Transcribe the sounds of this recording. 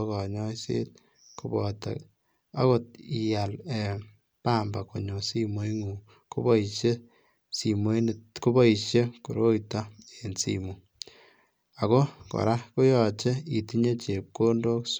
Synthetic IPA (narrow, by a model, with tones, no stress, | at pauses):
kɔ˨ɲɔ˦sḛ˦t̚ | ku˦bɔta̰˨ | a̰˦ko˦t̚i˨ja˨lɛ˨ | paː˦mba˨ko˨ɲo˨si˦mo˦i˦ŋu˨ | ko˦bɔ˦i˨ʃe˦ | si˨mo˦n˨ko˦bɔ˦i˨ʃje˦ku˨ɾo˦jta˦e˨nsḭmu˨ | a˨ko˦kɔ̰˨ɾa˦ku˦jɔ˨t͡ʃe˦i˨ti˦ɲe˦t͡ʃe˨p̚ko˦ndo˦ks